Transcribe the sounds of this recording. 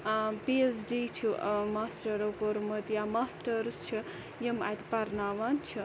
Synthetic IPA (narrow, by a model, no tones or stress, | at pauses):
piesɖiːt͡ʃʰimaːsʈɐɾɐwkoɾmɐt̪jamaːsʈɐɾst͡ʃʰi | jema̰jt̪pɐɾnaːʋant͡ʃʰi